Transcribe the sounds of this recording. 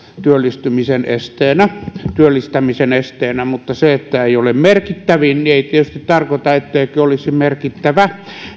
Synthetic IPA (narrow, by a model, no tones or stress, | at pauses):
t̪yølːist̪ymisenḛst̪eːnæt̪yølːist̪æmisenest̪eːnæmut̪ːɑseet̪ːæeiolemmerkit̪ːæʋinnieit̪iet̪yst̪it̪t̪ɑrkot̪ɑet̪ːeikøolisimerkit̪ːæʋæ